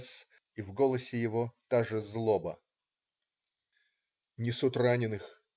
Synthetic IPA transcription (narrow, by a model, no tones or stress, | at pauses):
s | ivɡolˠəsʲɪjɪvot̪aʐɨzlˠobə | nʲɪsut̪ranʲɪnɨx